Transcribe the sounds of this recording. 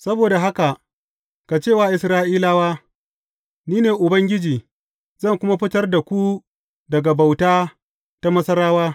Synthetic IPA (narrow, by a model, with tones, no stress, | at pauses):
sɐ˦boː˨da˨ɦa˦ka˨ʔ | ka˨t͡ʃeː˦˨waː˨ʔɪ˨sɾaː˦ʔiː˦laː˦waː˦ | niː˦neː˨ʔʊ˨bɐ˦ŋɡʲɪ˦d͡ʒiː˨ | zɐ˦˨ŋkʷʊ˦ma˦ɸɪ˦tɐ˦rda˨kʷu˦ | dɐ˨ɡa˨ba˨wtaː˦ | ta˦mɐ˦sɐ˦ɾaː˦waː˦